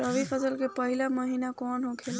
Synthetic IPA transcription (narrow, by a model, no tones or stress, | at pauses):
əʋifʰəsəlkepəɦilaməɦiːnakɔːnɦõkʰel